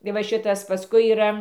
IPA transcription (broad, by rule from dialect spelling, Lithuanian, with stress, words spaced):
ɪ ˈʋɐ ˈʃʲɪtɐs pɐˈskʊɪ iːˈrɐ